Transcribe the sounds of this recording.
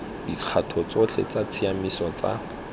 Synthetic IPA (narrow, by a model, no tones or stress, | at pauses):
diq͡χʰatʰɔt͡sot͡ɬʰḛt͡sat͡sʰiamisɔt͡sa̰